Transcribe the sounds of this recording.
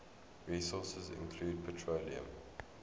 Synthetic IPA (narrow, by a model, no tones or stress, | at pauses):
ɹiːsɔːˑsəzɪ̰̃nkʰl̥uːd̚pʰətʰɹoliə̰̃m